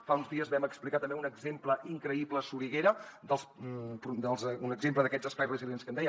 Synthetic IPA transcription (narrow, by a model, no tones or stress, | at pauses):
faunzðiəzβɛməksplikat̪əmbeunəɡzempləʔiŋkɾəipləsuɾiɣeɾəd̪əlˠspɾud̪əlˠzunəɡzempləðəkɛzəspajrəzilienskənd̪ɛj